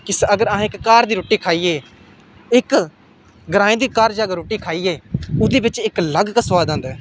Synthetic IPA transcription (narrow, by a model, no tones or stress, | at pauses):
kɪsəɡəɾaɦːɪkːaːɾd̪iːɾoːʈiːkʰaːiːeː | ɪk | ɡəɾaːĩːd̪iːkaːɾd͡ʒaːɡaɾoːʈiːkʰaːiːeːʊd̪eːbɪt͡ʃɪkləɡkəsʋaːd̪ə̃nd̪ɛː